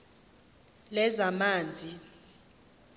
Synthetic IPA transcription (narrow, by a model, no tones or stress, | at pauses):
lɛzamaːnd͡zʱi